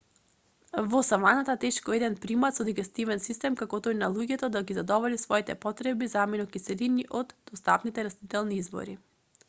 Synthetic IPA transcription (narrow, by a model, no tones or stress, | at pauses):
vɔsamanat̪at̪ɛʃkɔɛd̪ɛnpɾimat̪sɔd̪iɡɛst̪ivɛnsist̪ɛmkakɔt̪ojnalˠuɟɛt̪ɔd̪aɡizad̪ɔvɔlisvɔit̪ɛpɔt̪ɾɛbizaminɔkisɛliniʔɔd̪d̪ɔst̪apnit̪ɛɾast̪it̪ɛlˠniizbɔ̰ɾi